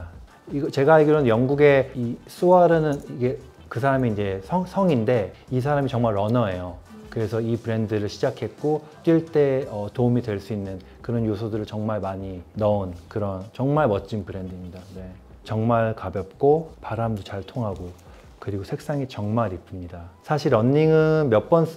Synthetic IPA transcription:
iɡʌt͡ɕe̞ɡaiɡɾʌnjʌŋɡuɡe̞is͈uaɾɯnɯniɡe̞ | kɯsʰaɾamiind͡ʑe̞sʰʌŋsʰʌŋinde̞is̬ʰaɾamit͡ɕʌŋmaɭʌnʌe̞jo | kɯɾe̞sʰʌipɯɾe̞ndɯɾɯɭɕʰid͡ʑakʰe̞t̚k͈o | t͈ɥiɭt͈e̞ʌtoumidwe̞ɭs͈uinːɯn | kɯɾʌnjosʰodɯɾɯɭt͡ɕʌŋmaɭmaɲinʌunkɯɾʌnt͡ɕʌŋmaɭmʌtt͡ɕ͈inpɯɾe̞ndimɲidane̞ | t͡ɕʌŋmaɭkabjʌp̚k͈opaɾamdot͡ɕaɭtʰoŋɦaɡo | kɯɾiɡosʰe̞k̚s͈aŋit͡ɕʌŋmaɾipʰɯmɲidasʰaɕʰiɾʌnːiŋɯnmjʌp͈ʌn

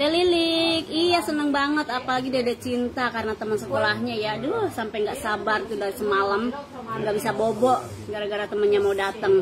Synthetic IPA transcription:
dɛlilɪk̚ijahsənəŋbaŋət̪apalaɡidadat͡ʃint̪akaɾənat̪əmənsəkolahɲajaduhsampajŋɡaʔsabart̪udaɾisəmalam | ŋɡaʔbisabobɔʔ | ɡaɾaɡaɾat̪əmənɲamawdat̪əŋ

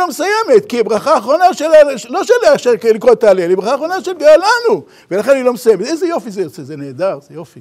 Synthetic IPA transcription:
omesujemet̪kibʁaχaːχʁo̞naʃelaloʃeleʃelikʁotːaːlelibʁaχaːχʁo̞naʃelɡealanu | velaχenanilo̞mesujemet̪ʔezejo̞fizejot͡sezeneːd̪aʁzejofi

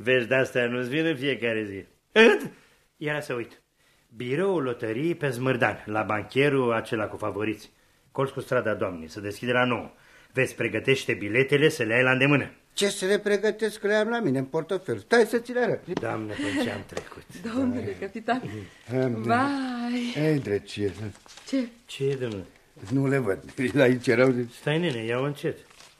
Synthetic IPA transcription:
veʃd̪ast̪eanusvinɨnfije̞kaɾe̞zi | ɨt̪ | jaɾasəujt̪ | biɾo̞ulo̞t̪əɾipe̞zmɨrd̪a̰nlabaŋkʲe̞ɾuat͡ʃe̞lakufavo̞ɾit̪sʲ | ko̞lskust̪ɾad̪ad̪oamnḭsəd̪e̞skʲid̪elano̞o | ve̞t̪sʲpɾe̞ɡət̪e̞ʃt̪e̞bile̞t̪e̞le̞səleajlaɨnd̪e̞mɨnə | t͡ʃe̞səɾe̞pɾe̞ɡət̪e̞sklejamlamineɨnport̪ofelst̪ajsət̪sileaɾət̪d̪oamnəot͡ʃea̰mt̪ɾḛku̥t̪d̪omnuekəpit̪an | majəjd̪ɾet͡ʃiet͡ʃet͡ʃed̪omn | nulevəd̪̚lait͡ʃeɾəwzest̪ajninejawɨnt͡ʃet̪

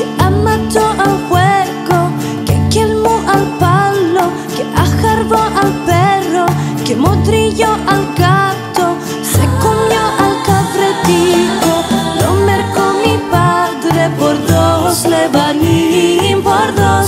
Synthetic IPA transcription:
keamat̪oʔalxweko | kekelmoʔalpalo | keʔaxaɾðoʔalpero | kemod̪ɾiʎoʔalɡat̪o | sekomjoʔalkafɾet̪ikonomeɾkomipaðɾepoɾðosleβanimpoɾðos

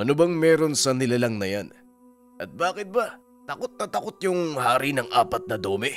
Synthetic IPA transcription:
ʔɐnobɐŋmɛːɾo̞nsɐnɪlalɐŋnɐjan | ʔɐt̪̚baːkɪt̪̚bɐ | t̪ɐkot̪̚nɐt̪ɐkot̪̚jʊŋhaːɾinɐŋʔaːpɐt̪̚nɐd̪o̞ːmɛ

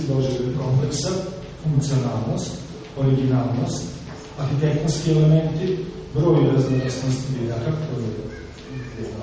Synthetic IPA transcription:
id̪od͡ʒed̪od̪kompleksa | fuŋkt̪sionaːlˠnost̪ | oɾiɡinaːlˠnost̪ | at̪it̪exniskielemẽnt̪i | bɾoːjɾaznokasnost̪id̪ed̪ak̪ako

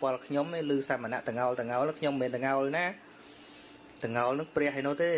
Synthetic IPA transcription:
pŏəlkʰɲomeːlɨːsamːəna̰ʔt̪ɨ̆ŋaɔlt̪ɨ̆ŋaɔlnɨŋkʰɲomːiːnt̪ɨŋaɔlnaː | t̪ɨ̆ŋaɔlnɨŋprɛ̆əhɦəjnʊ̆əht̪eː

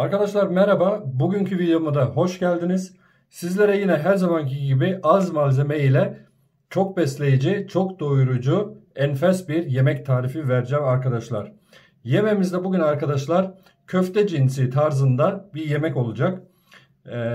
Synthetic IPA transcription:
aɾkad̪aʃlˠaɾmɛɾababuɟyncʰyvid̪ejo̞mud̪aɦo̞ʃɟælʲd̪iniz̥ | sizlʲe̞ɾɛjinɛɦæɾzamanciɟibiʔazmalʲze̞mejilʲɛ | t͡ʃʰo̞k̚bɛslʲe̞jid͡ʒit͡ʃʰo̞kd̪o̞jɾud͡ʒuɛnfɛsbiɾje̞mɛct̪ʰaːɾifivæɾd͡ʒɛmaɾkad̪aʃlˠa̰ɾ̥ | je̞me̞mizd̪ɛbuɟynaɾkad̪aʃlˠaɾ̥ | cʰøft̪ʰɛd͡ʒinsit̪ʰaɾzɯnd̪abiɾje̞mɛco̞lˠud͡ʒak

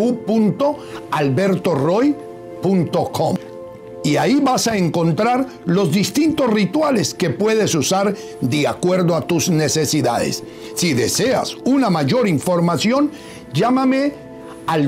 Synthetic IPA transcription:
upunt̪o̞alβe̞ɾt̪o̞roj | punt̪o̞kʰom | iaiβasaeŋko̞nt̪ɾaɾ | lo̞zðist̪int̪osrit̪wale̞ske̞pwe̞ðesusaɾ | d̪eakwe̞ɾðoat̪uzne̞se̞siðaðḛsː | iðese̞a̰sunamaʝo̞ɾiɱfo̞ɾmasjo̞n | d͡ʒamame | al

